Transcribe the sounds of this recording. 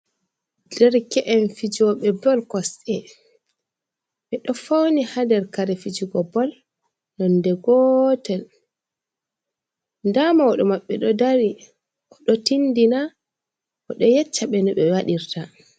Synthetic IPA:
dɛɾkɛʔɛnfid͡ʒɔɓɛbɔlkɔsɛ | ɓɛɗɔfawnihadɛɾkaɾɛfid͡ʒiɡɔbɔl | nɔndɛɡɔtɛl | ndamawɔɗɔmaɓːɛɗɔdaɾi | ʔɔɗɔtindina | ɔɗɔjɛt͡ʃːaɓɛnɔɓɛwaɗiɾta

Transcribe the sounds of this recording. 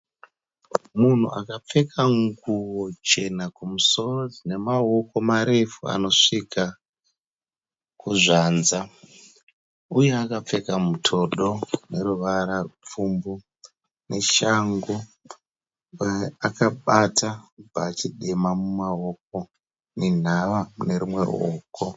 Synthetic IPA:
mun̤ṵʔa̰kap͡fe̞kʰaŋɡuwo̞t͡ʃe̞nakumuso̞ro̞d͡zine̞mao̞ko̞maɾe̞fua̰no̞ʂikʰa | kuʐanza | ujeakap͡fe̞kamutʰo̞ɗo̞ne̞ɾuʋaɾarup͡fumbu | ne̞ʃaŋɡu | aakaɓatʰapaːt͡ʃiɗe̞mamumaok̚o̞ | nen̤aʋane̞ɾumwe̞̰rṵoːko

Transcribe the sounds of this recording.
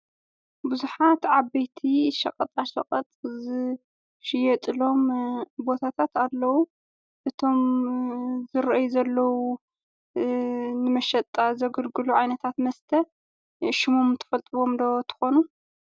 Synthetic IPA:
bɨzuħat̪ʕaβːɐjt̪ʰiʃɐ̰qʼɐt̪ʼaʃɐqʼɐt̪ʼz | ʃɪjɛt̪ʼɨlo̞mbo̞t̪ʰat̪ʰat̪alːɐwu | ʔɨt̪ʰo̞m | zɨɾʔɨjuzɐlːɐwu | nɨmɐʃɐt̪ʼazɐɡɨlɡɨluʕajnɐt̪ʰat̪mɐst̪ʰɐ | ʃɪmomt̪ʰɐ̥fɐlt̪ʼɨβo̞md̪ɐwot̪ʰɨ̥xonu

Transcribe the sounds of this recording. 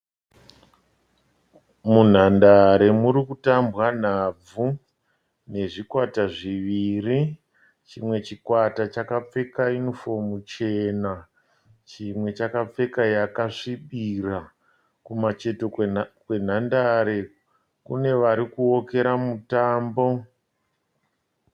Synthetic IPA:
mun̤andaɾe̞muɾikutambwan̤ab͡vu | ne̞ʐikwataʐiʋiri | t͡ʃimwe̞t͡ʃikwatat͡ʃakap͡fe̞kainfo̞mut͡ʃe̞na | t͡ʃimwe̞t͡ʃakap͡fe̞kajakaʂiɓira | kumat͡ʃe̞to̞kwe̞n̤andaɾe̞ | kune̞ʋaɾikuoke̞ɾamutaːmbo̞

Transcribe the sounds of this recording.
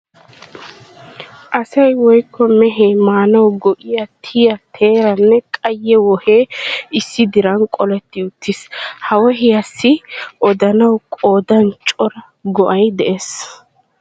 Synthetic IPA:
ʔɐsɐjwɔjkːɔmɛɦeːmaːnɐwɡɔʔɪjɐt̪ʰɪjɐt̪ʰe̞ːɾɐnːɛkʼɐjːɛwɔheːɪsːɪd̪ɪɾɐnkʼɔlɛt̪ːɪʊt̪ːɪshɐwɔɦɪjɐsːɪʔɔd̪ɐnɐwkʼo̞ːd̪ɐnt͡ʃʼɔɾɐ | ɡɔʔɐjd̪ɛʔeːs

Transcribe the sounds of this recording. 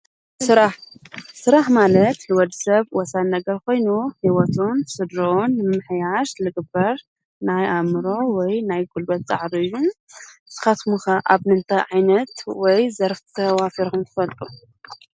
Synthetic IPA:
sɨɾaħsɨɾaħmalɐt̪ħɨwɔd̪sɐβwɔsannɐɡɐɾkʰo̞jnuħiwɔt̪ʰonsɨd̪ɾonːɨmɨħjaʃlɨɡɨbːɐɾ | najʔamɨɾo̞wɔjnajɡulbɐt̪̚t͡sʼa̰ʕɾiɨjːuz̥ɨ̥xɐt̪muxaʔaβnɨnt̪ʰɐjʕajnɐt̪wɔjzɐɾft̪ʰɐwafiɾkɨmt̪ʰɨ̥fɐlt̪ʼu

